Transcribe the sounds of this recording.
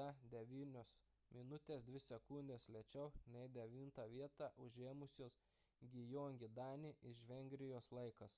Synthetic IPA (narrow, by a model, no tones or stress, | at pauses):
ɐd̪ʲɛʋʲiːnʲoːs | mʲɪnʊt̪ʲeːsd̪ʲʋʲɪsʲɛkʊnʲd̪ʲeːslʲɛt͡ʃʲɛʊnʲɛɪd̪ʲɛʋʲiːnt̪ɑːʋʲiɛt̪ɑːʔʊʒʲeːmʊsʲoːs | ɡʲɪjoːŋʲɡʲɪd̪ɑːnʲiʔɪʃʋʲɛŋʲɡɾʲɪjoːslˠɐɪkɐs